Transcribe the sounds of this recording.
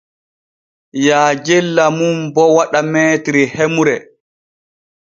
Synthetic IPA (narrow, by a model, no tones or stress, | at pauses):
jaːd͡ʒɛlːamumbɔwaɗamɛːtɾihemuɾɛ